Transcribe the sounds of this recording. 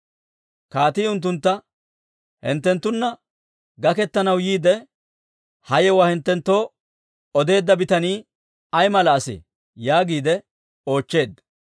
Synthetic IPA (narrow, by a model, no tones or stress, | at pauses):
kaːt̪iːʊnt̪̬ːʊnt̪ːɐ | hɪ̰nt̪ːɛnt̪ːʊnːɐ | ɡɐkɛt̪ːɐnɐwjiːd̪ɛ | hɐjɛwahɪnt̪ːɛnt̪ːo̞ː | ɔd̪e̞ːd̪ːɐbɪt̪ɐniː | ɐjmɐlɐːsɪ̰ | jaːɡiːd̪ɛ | o̞ːt͡ʃːe̞ːd̪ːɐ